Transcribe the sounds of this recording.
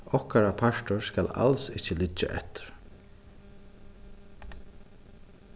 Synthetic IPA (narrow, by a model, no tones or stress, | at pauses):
ɔhkaɾapʰaʃt̪ʊɹskala̰lsɪcəlɪt͡ʃːa̰ʔɛ̰t̪ɪ̥ɾ̥